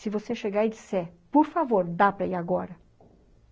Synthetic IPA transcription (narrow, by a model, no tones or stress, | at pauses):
sivoseʃeɡajd̪sɛpuɾfavoɾd̪apɾejaɡɔɾə